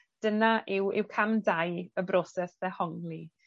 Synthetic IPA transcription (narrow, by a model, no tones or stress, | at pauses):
d̥ənaʔɪwɪ̰wkʰamdajəbɾɔsɛsðɛhɔŋlˠi